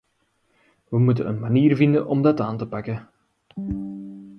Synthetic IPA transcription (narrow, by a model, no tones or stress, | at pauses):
ʋəmut̬ənənmaniːrvɪndənʔɔmdɑtaːntəpɑkə